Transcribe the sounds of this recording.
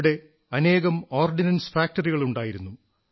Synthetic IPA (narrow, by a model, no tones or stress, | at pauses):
ɽe̞ | ɐne̞ːɣɐmo̞ːrɖinɐnsfaːk̚ʈɐriɣɐɭuɳɖaːjiɾunːu